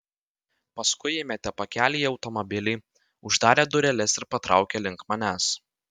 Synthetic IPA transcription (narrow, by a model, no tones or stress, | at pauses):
pɐskʊɪɪmʲɛt̪ʲɛpɐkʲæːlʲiɐʊt̪ɔmɔbʲɪlʲɪɪ | ʊʒd̪ɑːɾʲeːd̪ʊɾʲɛlʲɛsɪɾpɐt̪ɾɑˑʊkʲeːlʲɪŋkmɐnʲæs